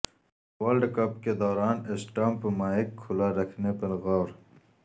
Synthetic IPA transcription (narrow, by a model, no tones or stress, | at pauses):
waːlɖkɐpked̪oːɾɑːnesʈaːmpəmaːikʰːʊlaɾɐkʰnepəlɣawɾ